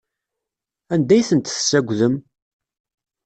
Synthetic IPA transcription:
ænd̪æjθənt̪θsːæɡʷðəm

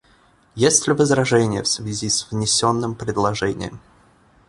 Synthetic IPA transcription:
jesʲtʲlʲɪvəzɾɐʐɛnʲɪjəfsvʲɪzʲisʲvnʲɪsʲonːɨmpɾʲɪd̪lˠɐʐɛnʲɪ̰jə̰m

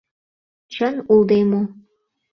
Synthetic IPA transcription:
t͡ɕə̆nulˠd̪emo

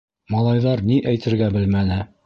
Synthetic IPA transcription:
mɑlˠɑjðɑɾniʔæjt̪ʰɘ̆ɾɡæbɘlmænɘ

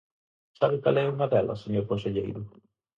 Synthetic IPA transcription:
saβɪkalɛuŋaðɛlɐ̰seɲoɾkõnseʎḛjɾʊ

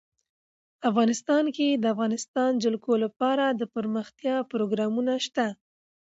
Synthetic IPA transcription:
afɣɑnɪst̪ɑnked̪əafɣɑnɪst̪ɑnd͡ʒalkʰolapɑɾad̪əpəɾməxt̪jɑpɾoɡɾɑmunaʃt̪a

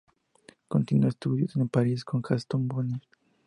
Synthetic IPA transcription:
kont̪inuest̪ud̪josenpaɾiskʰonxast̪onboni

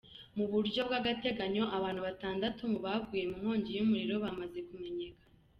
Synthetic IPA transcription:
muβuɾɟo̞bɡaɡate̞ɡaɲo̞ʔaβaːnhuβataːndatumuβaɡɡuːje̞muŋ̥o̞ːɲɟijumuɾiɾo̞βamaze̞kume̞ɲe̞ːkḁ

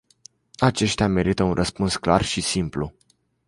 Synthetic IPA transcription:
at͡ʃe̞ʃt̪eame̞ɾit̪əunrʔəspunskla̰rʃisimplṵ

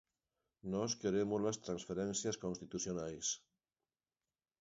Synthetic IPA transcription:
nɔskeɾemozlɐst̪ɾãnsfeɾɛnsjɐskonst̪it̪usjonajs

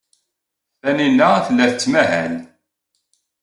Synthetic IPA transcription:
θæninːææθəlːæθt͡sːmæɦæ̰n

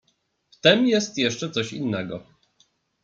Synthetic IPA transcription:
ft̪ɛmjɛst̪jɛʂt͡ʂɛt̪sɔɕḭnːɛɡɔ̰

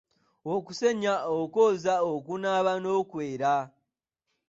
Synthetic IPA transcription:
okuse̞ɲaoko̞ːzaokunaβano̞ːkwe̞ːɾa

